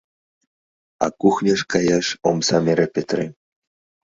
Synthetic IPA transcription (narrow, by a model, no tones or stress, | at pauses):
ɑ̰kuxnʲaʃkɑjɑʃomsɑmeɾʲepʲet̪re